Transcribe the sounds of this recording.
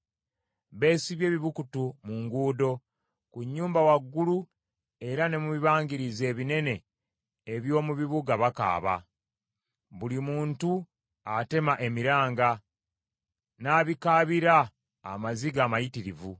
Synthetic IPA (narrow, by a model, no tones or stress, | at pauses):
βe̞ːsiβje̞ːβiβukutumuŋɡuːdo̞ | kuɲːuːmbawaɡːulu | e̞ɾane̞muβiβaːŋɡiɾize̞ːβine̞ne̞ː | βjo̞ːmuβiβuɡaβaka̰ːβa̰ | βulimuːntu | ate̞maʔe̞miɾaːŋɡa | naːβikaːβiɾa̰ː | maziɡaːmajitiɾivu